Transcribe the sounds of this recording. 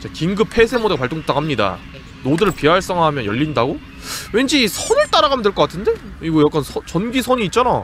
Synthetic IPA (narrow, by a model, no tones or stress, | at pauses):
t͡ɕakiŋɡɯpʰe̞sʰemodeapaɭt͈oŋ̚t͈akʰamɲida̰ | nodɯɾɯɭpiɦaɭs͈ʌŋamjʌnjʌʎːindaɡo | we̞nd͡ʑisʰʌnɯɭt͈aɾaɡamjʌndweɭk͈k͈atʰɯnde̞kɯiɡojak͈ansʰʌt͡ɕʌnɡisʰʌɲiːt̚t͡ɕ͈ana